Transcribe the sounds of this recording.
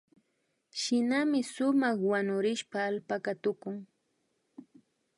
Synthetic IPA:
ʃɪnamɪsʊmɑχwanʊɾɪʃpaːlpakat̪ʊkʊŋ

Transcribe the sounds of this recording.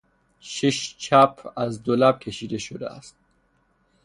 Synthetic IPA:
ʃiʃt͡ʃʰæpʰæzd̪olæb̚kʲʰeʃiːd̪e̞ʃod̪ḛæ̰st̪̚

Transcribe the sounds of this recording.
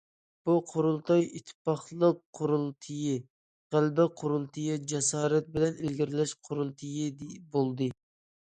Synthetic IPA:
b̥uqʰoɾulˠt̪ɑjit̪ʰːɪ̥pɑχlˠəq̚qʰːoɾulˠt̪ʰɨji | ʁælbɛqʰoɾulˠt̪ʰɨjid͡ʒɛsɑːɾɛt̪̚bɪlɛnɪlɡʲiɾlɛʃqʰoɾulˠt̪ʰɨjid̪bolˠd̪ɨ

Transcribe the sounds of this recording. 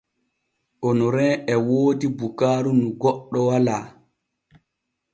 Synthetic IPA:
ʔɔnɔɾɛːɛwoːdibukaːɾunuɡɔɗːɔwalaː

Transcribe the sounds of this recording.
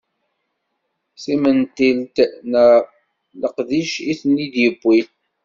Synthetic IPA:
simənt̪ilt̪nə | ləqðiʃiθnːid̪jəbːiθ

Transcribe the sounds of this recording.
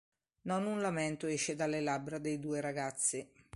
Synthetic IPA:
nɔnunlamɛnt̪oɛʃed̪alːelabɾad̪ejd̪uːeɾaɡat̪sːɪ

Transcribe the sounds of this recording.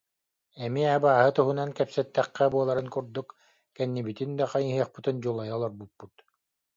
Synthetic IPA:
ɛmiabaːɦɯt̪uɦunankɛpsɛt̪ːɛχːɛbuɔlˠaɾɯnkuɾd̪uk | kɛnːibit̪ind̪aqajiɦiɐχpɯt̪ɯnd͡ʑulˠajalˠɔɾbutpːut̪

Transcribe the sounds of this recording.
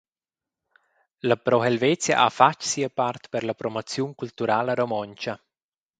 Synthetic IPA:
lapɾɔɦɛlvɛt͡sja̰ʔafat͡ʃsiəpart̪pəɾlapɾomot͡sjuŋkult̪uɾalaɾomɔɲt͡ʃa

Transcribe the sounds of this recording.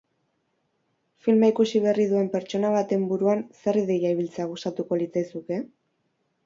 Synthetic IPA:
filmaikusiβe̞riðue̞mpe̞ɾt͡ʃo̞naβ̞at̪e̞mbuɾuanse̞riðejaiβ̞ilt͡seaɣ̞ust̪at̪uko̞lit͡sajsuke̞

